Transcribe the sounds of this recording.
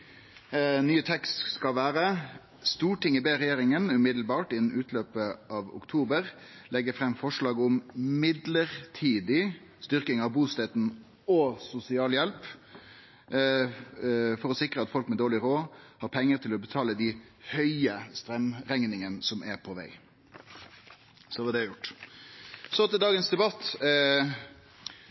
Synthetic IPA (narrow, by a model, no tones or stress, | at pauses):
nyːət̪ʰɛkst̪skɑlʋæːɾə | st̪uːʈɪŋːəbeːɾɛjeːɾɪŋənʉmɪd̪l̩bɑːʈɪnn̩ʉːt̪ʰløːpəʔɑʋʊ̰kt̪ʰuːbəɾlɛɡːəfɾɛmːfɔʂlɑːɡʊmmɪd̪ləɾt̪ʰiːd̪ɪ | st̪ʏʁkɪŋɑʋbuːst̪ɛːt̪n | ɔsʊsɪɑːljɛlp | fɔɾɔsɪkɾəɑt̪fɔlkmɛd̪oːlɪɾoːhɑːɾpʰɛŋːəɾt̪ʰɪlɔbət̪ʰɑːləd̪ɪhœʏəst̪ɾɛmʁɛŋnɪŋənsɔmʔæpʰɔʋæ̰ɪ | sɔʋɑd̪ɛjʊʈː | sɔt̪ɪd̪ɑːɡənsd̪ɛbɑt̪ː